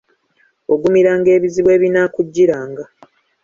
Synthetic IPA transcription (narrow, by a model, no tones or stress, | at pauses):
o̞ɡumiɾaːŋɡe̞ːβiziβwe̞ːβinakuɟːiɾaːŋɡa